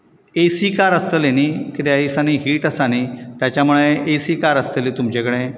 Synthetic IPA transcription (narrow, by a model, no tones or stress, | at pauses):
esikaɾəst̪əlenikit̪ejaisaniɦiːʈəsanit̪jat͡ɕjamuɭeʔesikaɾəst̪əlit̪umt͡ɕẽkəɽẽ